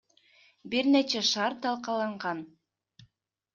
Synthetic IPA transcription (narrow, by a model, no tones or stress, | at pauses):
biɾnet͡ʃæʃɑɾt̪ɑlˠqɑlˠɑɴʁɑn